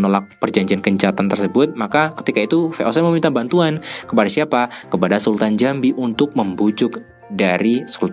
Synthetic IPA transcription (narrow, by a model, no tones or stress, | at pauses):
nolak̚pərd͡ʒaɲd͡ʒiankəɲt͡ʃat̪ant̪ərsəbʊt̪̚makakə̥t̪ikait̪ufeʔosɛməmint̪abant̪uankəpadasiapakəpadasult̪and͡ʒambiʔunt̪ʊk̚məmbud͡ʒʊk | daɾisult̪